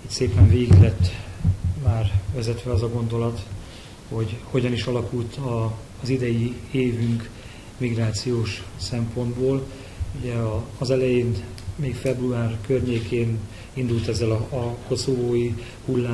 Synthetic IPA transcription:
it̪seːpɛɱveːɡiɡlɛt̪ːmaːrvɛzɛt̪ʋɛɒzɒɡo̞nd̪o̞lɒt̪ | ho̞ɟho̞ɟɒniʃɒlɒkult̪ɒ | zid̪ɛjieːvyŋk | miɡraːt̪sijoːʃsɛmpo̞nd̪boːl | uɟɛɒːzɛlɛjeːn | meːkfɛbruaːrkørɲeːkʰeːn | ind̪ult̪ɛzːɛlɒɒko̞sovoːji | hulːaː

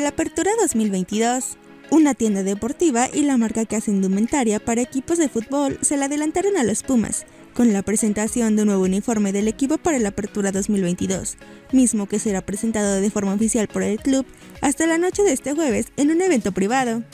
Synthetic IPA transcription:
lape̞ɾt̪uɾaðo̞zmilβe̞jnt̪iðo̞s | unat̪je̞nd̪aðe̞po̞ɾt̪iβaʔilamaɾkakease̞nd̪ument̪aɾjapaɾaekipo̞zðe̞fut̪̚bo̞lse̞leaðe̞lant̪aɾo̞nalospuma̰s | ko̞nlapɾese̞nt̪asjo̞nd̪eunwe̞β̞ounifo̞ɾme̞ðe̞le̞kipo̞paɾalape̞ɾt̪uɾaðo̞zmilβe̞jnt̪iðo̞̰smizmo̞ke̞se̞ɾapɾese̞nt̪aðoðefo̞ɾmaofisjalpoɾelkluβ | ast̪alano̞t͡ʃe̞ðeest̪e̞xwe̞β̞e̞senũne̞βe̞nt̪o̞pɾiβ̞aðo̞

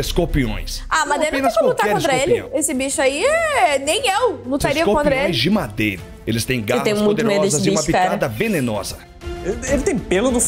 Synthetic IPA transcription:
skopiõ̰j̃s | amad̪eɾnpnɐ̃saluʊk̪akɛɾkõnt̪ɾɐelɪɐ̰̃esɪbiʃʊaiɛnẽj̃ewlut̪aɾiiɐkoõnt̪ɾɐelɪ̃j̃zd͡ʒɪmad̪ejɾɐ | elɪst̪ẽj̃ɡaɪt̪ẽj̃mũjtd̪eʊɾmejɔeszɐzɪiʃmɐpiad̪ɐvenenɔzɐ | elɪt̪ẽj̃pelʊnʊ

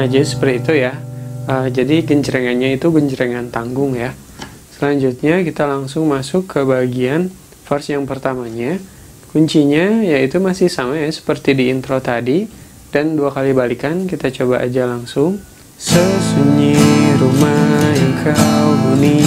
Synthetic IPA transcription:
ad͡ʒasə̥pərt̪iːt̪ujaəd͡ʒadiɡəɲd͡ʒəɾɛŋanɲait̪uɡəɲd͡ʒəɾɛŋant̪aŋɡʊŋja | səlaɲd͡ʒut̪̚ɲakit̪alaŋsʊŋmasʊkːəbaɡian | farsjaŋpərt̪amaɲa | kuɲt͡ʃiɲajait̪umasɪhsamajasə̥pərt̪idiːnt̪ɾot̪adi | danduakalibalikankit̪at͡ʃobaʔa̰d͡ʒalaŋsʊŋ | səsuɲiɾumaiŋkʰawduni

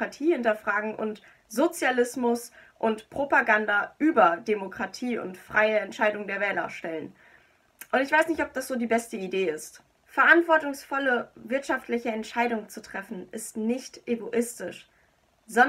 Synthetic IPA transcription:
atʰiːhɪntɐfʁ̥aːɡŋ̩ʔʊ̰nt | z̥ot͡sjalɪsmʊsʔʊntpʁ̥opaɡandaʔyːbɐdemokʁ̥atʰiːʊ̰ntfʁ̥aɪəɛntʃaɪdʊŋdeːɐvɛːlɐ̰ʃtɛlən | ʔʊntɪçv̥aɪsnɪçtɔp̚d̥asz̥oːdiːbɛstəideːɪst | fɛɐʔantv̥ɔɐtʊŋsfɔləvɪɐtʃaftlɪçəɛntʃaɪdʊŋt͡sutʁ̥ɛfn̩ɪstnɪçtʔeɡoʔɪstɪʃ | z̥ɔn

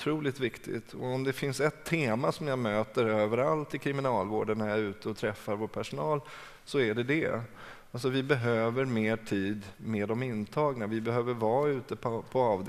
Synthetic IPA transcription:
t̪ʰɾuːlɪt̪vɪkt̪ʰɪ̰t̪ʰɔɔmd̪ɛfɪnsɛt̪ʰːeːmasɔmjɑːmøːt̪əɾøːvəɾalt̪ɪkʰɾɪmɪnɑːlvo̰ːɖənnajaæɾʉ̟ːt̪əɔt̪ʰɾɛfːaɾvoːʈpʰæʂʊnɑːl | sɔæɖɛd̪ɛ̰ | alsɔvɪbɛɦøːvəɾmeːʈʰiːd̪meːd̪ɔmɪnt̪ʰɑːɡnavɪbɛɦøːvəɾvɑːʉ̟ːt̪əpʰɔpʰɔɑːvd̪

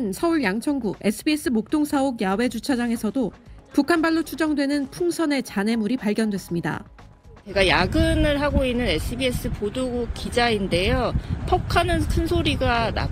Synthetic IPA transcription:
nsʰʌuɭjaŋt͡ɕʰʌŋɡue̞s͈ʰɯbies͈ʰɯmok̚t͈oŋsʰaoɡjawe̞d͡ʑut͡ɕʰad͡ʑaŋe̞sʰʌdopukʰanbaɭːot͡ɕʰud͡ʑʌŋdwe̞nɯnpʰuŋsʰʌne̞t͡ɕane̞muɾipaɭɡjʌndwe̞s͈ɯmɲida̰ | t͡ɕeɡajaɡɯnɯɭɦaɡoinːɯne̞sʰɯbie̞s͈ɯpoduɡukid͡ʑainde̞jopʰʌkʰanɯnkʰɯnsʰoɾiɡana̰

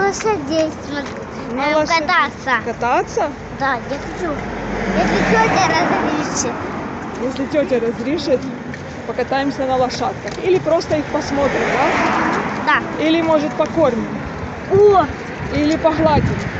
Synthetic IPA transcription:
lˠɐʂʲadʲejst̪vətʲ | tʲ | nəɐɐt̪at̪səkɐt̪at̪sːə | d̪ajaxɐt͡ʃu | jesʲlʲɪtʲotʲɪɾɐzɾʲiʂɪt̪ | jesʲlʲɪtʲotʲɪɾɐzɾʲiʂɨt̪ | pəkɐt̪ajɪmsʲənɐlˠɐʂat̪kəxilʲɪpɾo̞st̪əixpɐsmo̞t̪ɾʲɪmd̪a | d̪ailʲɪmo̞ʐɨt̪̚pɐkormʲɪtʲ | o | ilʲɪpɐɣlˠadʲɪm

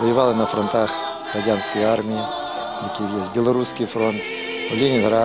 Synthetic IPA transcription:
vəjɪvalˠɨnɐfɾɔnt̪ax | kɐdʲanskəjʊarmʲɪɪ | jɐkʲijesʲt̪̚ʲbʲɪlˠɐɾuskɪjfɾont̪ | vlʲɪnʲɪnɡɾa

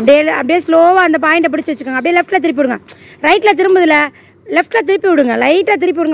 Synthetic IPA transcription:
ɐpɐɽɪjeɐpːɐɽɪjesloːʋaːɐnd̪ɐp̬aːjɪɳɖɐp̬ɐɽɪt͡ʃːɯʋɐt͡ʃːɯkːaːŋɡɐpːɽɪjelɛfʈlɐt̪ɪɾɪp̬ːɪʋɪɽɯŋɡɐɾɐɪʈːlɐt̪̬ɪɾɯmbɐðɯlɐ | lɛfʈlɐt̪̬ɪɾɪpːiʋɪɽɯŋɡɐlɐɪʈːlɐt̪̬ɪɾɪp̬ːɪʋɪɽɯŋɡ

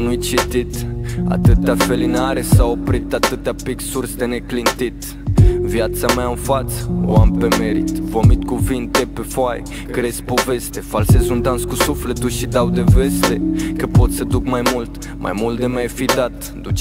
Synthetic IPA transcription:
nujt͡ʃit̪it̪a̰t̪ɨt̪afe̞linaɾesao̞pɾit̪at̪ɨt̪apiksursd̪e̞ne̞klint̪it̪ | vjat̪samaɨnfat̪səoampe̞me̞ɾḭt̪vomit̪kuvint̪e̞pe̞foaj | kɾespo̞ve̞st̪e̞falsezund̪anskusufle̞t̪uʃid̪awd̪eve̞st̪e̞kəpo̞t̪səd̪ukmajmult̪ | mʔa̰jmult̪̚d̪emajfid̪at̪ | d̪ut͡ʃ

